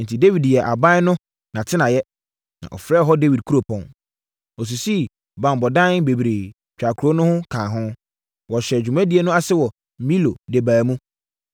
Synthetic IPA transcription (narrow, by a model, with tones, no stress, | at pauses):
n̩˨tʰi˨de˦wi˨djɛ˨ʔa˨bã˦nʊ̃˦ | nã˨tʰɪ˦nã˨jɛ˦ | nã̰˨ʔɔ̰˨fɾɛ˦˨˦ɦɔ˦de˦wi˨d̚kʰu˦ɾo˨pʰɔ̃˨n | ɔ˨s̬u˨si˦ | bã˨mbɔ˨dã˦nbe˨bɾeː˨ | t͡ɕᶣa˨kʰu˨ɾo˦nʊ̃˦hʊ̃˦kʰãː˨ɦʊ̃˦ | wɔ˨ɕɛ˨d͡ʑᶣu˨mã˦di˨˦e˦nʊ̃˦a˦sɛ˦wɔ˨ | mĩ˦lo˨de˨baː˨mũ˦